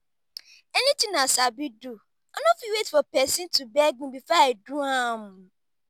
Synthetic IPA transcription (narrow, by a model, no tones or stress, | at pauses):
ɛnĩtɪ̃ŋnãsabidu | anõfiwetfɔpɛsĩntubɛɡ̚ũbifɔedũãmũ